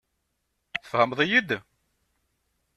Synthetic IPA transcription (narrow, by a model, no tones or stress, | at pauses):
θə̥fhəmðˤijid̪